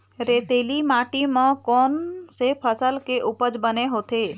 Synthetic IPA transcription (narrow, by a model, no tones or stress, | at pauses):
ɾeːt̪eːlimaːʈimə̃kɔːnsepʰəsəlkeʔʊpəd͡ʒbəneɦoːt̪eː